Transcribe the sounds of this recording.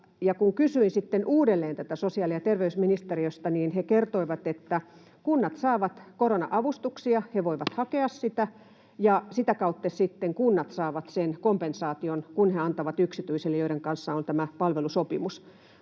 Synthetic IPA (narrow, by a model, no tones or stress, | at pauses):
jɑkuŋkysyinsit̪ːenʔuːdelːeːnt̪æt̪æsosiɑliɑt̪erʋeysminist̪eriøst̪ɑniːnhekert̪oiʋɑt̪et̪ːæ | kunːɑt̪sɑːʋɑt̪koronɑ̰ʔɑʋust̪uksiɑheʋoiʋɑt̪hɑkeɑssit̪æ | jɑsit̪ækɑut̪ːesit̪ːeŋkunːɑt̪sɑːʋɑt̪senkompensɑːt̪ionkunheɑnt̪ɑʋɑt̪yksit̪yiselːjoiɾeŋkɑnsːɑont̪æmæpɑlʋelusopimus